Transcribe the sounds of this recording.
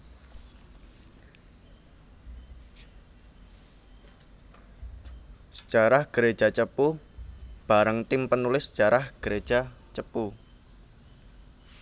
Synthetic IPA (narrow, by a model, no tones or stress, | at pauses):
sə̥t͡ʃaɾahɡ̥əɾe̥ʒ̥at͡ʃəpu | b̥aɾəŋt̪ɪmpənulɪsːt͡ʃaɾahɡ̥əɾed̥ʒ̥at͡ʃəpu